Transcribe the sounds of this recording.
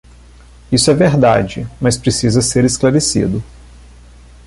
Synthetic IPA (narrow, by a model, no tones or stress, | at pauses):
isʊɛveɾd̪a̰d͡ʒɪmɐspɾesizɐseɾesklaɾesḭd̪ʊ